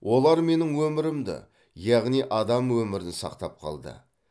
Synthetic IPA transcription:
wʔo̞lˠɑɾme̞nɪŋwɵmɪɾɪmd̪ɪ̰ | jɑʁnijʔɑd̪ɑmwɵmɪɾɪnsɑ̰qt̪ɑp̚qʰɑ̰lˠd̪ə̰

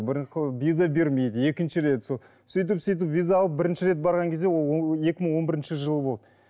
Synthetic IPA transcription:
bɪɾvʲizabe̞ɾme̞jd̪əe̞kʲɪnʃɪɾe̞t̪solˠ | sʏjt̪̬ɪpsijt̪̬ɪpvʲijzaɑlˠəp̚bɪɾɪnʃɪɾe̞t̪̚bɑɾʁɑŋkʲʰe̞zd̪ewolˠje̞kʲɪməɴwo̞nbɪɾɪnʃɪʒəlˠəbo̞lˠɑd̪ə

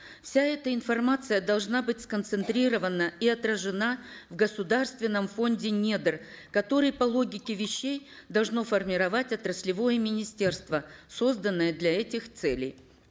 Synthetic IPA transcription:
fsʲaɛt̪əɪnfɐrmat̪sɨjəd̪ɐlˠʐnabɨtʲskənt̪sɨnt̪ɾʲiɾəvənːəiɐt̪ɾəʐɨna | vɡəsʊd̪arst̪vʲɪnːəmfo̞ndʲɪnʲed̪ɨrkɐt̪o̞ɾɨjpɐlˠo̞ɡʲɪkʲɪvʲɪɕːejd̪ɐlˠʐno̞fərmʲɪɾɐvatʲɐt̪rəsʲlʲɪvo̞jəmʲɪnʲɪsʲtʲe̞rst̪vəso̞zd̪ənːəjəd̪lʲɐɛtʲɪxt̪sɛlʲɪ̰j

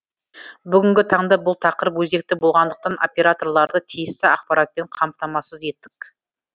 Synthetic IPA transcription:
bʏɡʲɪŋɡʲɪt̪ʰɑɴd̪ɑbʊlˠt̪ʰɑqəɾəpwɵze̞k̚t̪ɪbo̞lˠʁɑnd̪əq̚t̪ɑno̞̰pʲe̞ɾat̪o̞rlˠɑɾd̪ət̪ʰijɪst̪ɪɑq̚pɑɾɑt̪̚pe̞ɴqʰɑmt̪ɑmɑsəze̞t̪ːɪk

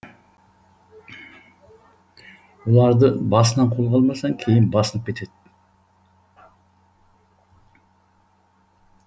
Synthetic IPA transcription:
wolˠɑɾd̪əbɑsənɑɴqʰo̞lˠʁʰɑlˠmɑsɑŋkʲʰe̞jɪnbɑsənəp̚kʲʰe̞t̪e̞d̪̥ɪ

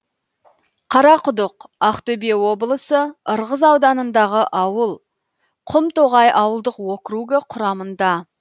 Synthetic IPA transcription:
qʰɑɾɑqʰʊd̪əqɑqt̪ɵbewo̞blˠəsəəɾʁəzɑwd̪ɑnənd̪ɑʁəʔɑwəlˠ | qʰʊmt̪oʁɑjʔɑwəlˠd̪əqwokɾuɡəqʰʊɾɑmənd̪ɑ

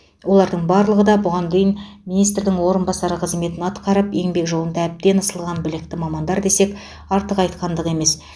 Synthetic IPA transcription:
wo̞lˠɑɾd̪əɴbɑɾlˠəʁəd̪ɑbʊʁɑnd̪ejɪn | minijst̪ɾd̪ɪŋwo̞ɾənbɑsɑɾəqʰəzme̞t̪ɪnɑt̪qɑɾəpe̞ŋbe̞kʒo̞lˠənd̪ɑæb̚d̪e̞nəsəlˠʁɑnbɪlɪk̚t̪ɪmɑmɑnd̪ɑɾd̪e̞se̞k | ɑɾt̪əqɑjt̪qɑnd̪əʁe̞me̞s

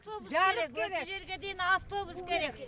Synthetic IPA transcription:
ft̪obusaɾekeʒe̞ɾɡʲed̪enaft̪o̞buskʲʰe̞ɾe̞k

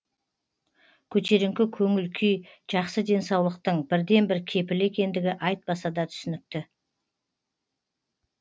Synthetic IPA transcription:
kʲʰɵt̪ʰe̞ɾɪŋkʲɪkʲʰɵŋɪlkʲʰyjʒ̥ɑqsəd̪e̞nsɑwlˠəq̚t̪əɴbɪɾd̪e̞nbɪɾkʲʰe̞pɪle̞kʲe̞nd̪ɪɡʲɪʔɑjt̪̚bɑsɑd̪ɑt̪ʰʏ̥sɪnɪk̚t̪ɪ

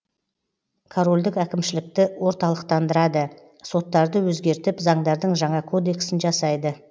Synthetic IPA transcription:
kʰoɾo̞lʲd̪ɪkækʲɪmʃɪlɪk̚t̪ɪwo̞ɾt̪ɑlˠəqt̪ɑnd̪əɾɑd̪ə | so̞t̪ːɑɾd̪əwɵzɡʲe̞ɾt̪ɪpzɑɴd̪ɑɾd̪əɴʒɑɴɑkʰo̞d̪e̞ksɪnʒɑsɑjd̪ə

